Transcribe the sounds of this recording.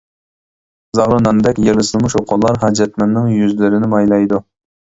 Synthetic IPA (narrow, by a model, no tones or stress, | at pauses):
zɑʁɾɨnɑnd̪ɛkʲjeɾlɨsɨlˠmuʃoqʰʊlˠːɑɾɦɑd͡ʒɛt̪mɛnːɪŋjyzlɪɾɪnɪmɑjlˠɑjd̪u